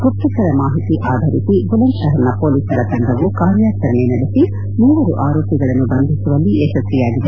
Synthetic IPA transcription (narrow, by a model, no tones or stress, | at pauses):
kupt̪ːukɐɾɐmaːɦit̪iʔaːd̪ʱɐɾisiɡulɐnʃɐɦɐɾɐnɐpo̞ːliːsɐɾɐt̪ɐɳɖ̪ɐʋukaːɾjaːt͡ʃɐɾɐnenɐɽisi | muːʋɐɾuʔaːɾoːkɐɡɐɭɐnːubɐnd̪ʱisuʋɐlːiɛːʃɐsijaːɡid̪e